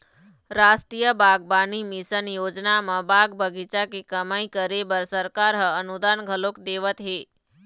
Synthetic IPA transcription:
ɾasʈɾijəbaɡbanimisənjod͡ʒnamə̃baɡbəɡit͡ʃakekəmaĩkəɾebəɾsəɾkaɾɦəənud̪anɡʱəlokd̪eʋət̪ɦe

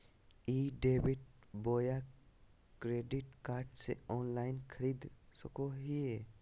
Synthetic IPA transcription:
iːɖeːbɪʈ | boːja | kɾeːɖɪʈkaːɾɖsḛɔːnlaːɪnkʰəɾiːd̪səkoɦie

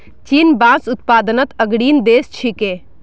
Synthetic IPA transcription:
t͡ʃinbãsut̪pad̪ənət̪əɡɽiːnd̪est͡ʃʰike

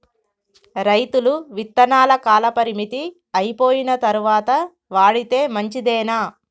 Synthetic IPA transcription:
ɾɐjt̪uluʋit̪ːɐnaːlɐkaːlɐpɐɾimit̪i | ɐjpo̞ːjinɐt̪ɐɾuʋaːt̪ɐ | ʋaːɽit̪e̞ːmɐɲt͡ʃid̪ɛːnaː

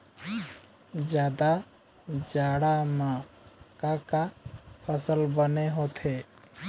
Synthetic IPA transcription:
d͡ʒjad̪a | d͡ʒaɽama | kakapʰəsəlbəneɦot̪ʰe

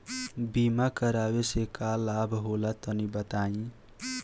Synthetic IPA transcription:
bimakəɾawesekalabʱɦolat̪ənibət̪aĩ

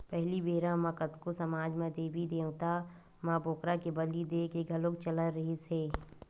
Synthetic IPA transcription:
pɛɦlibeːɾãmɐ̃kət̪kosɐmaːd͡ʒmẽd̪eːbʱid̪eːũt̪a | maboːkɾakebɐlid̪eːkeɡʱɐlõkt͡ʃɐləɾɐɦiseː

